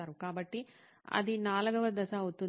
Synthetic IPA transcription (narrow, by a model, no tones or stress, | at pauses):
aːɾukaːbɐʈːi | ɐ̰d̪inaːlɐɡɐʋɐd̪ɐsɐut̪ːu